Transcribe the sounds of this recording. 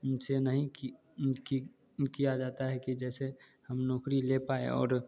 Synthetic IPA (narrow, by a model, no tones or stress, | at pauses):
senəɦĩ | ki | kijad͡ʒaːt̪aɦɛkid͡ʒɛːsehɐmnɔːkɾilepaːḛɔ̰ːɾ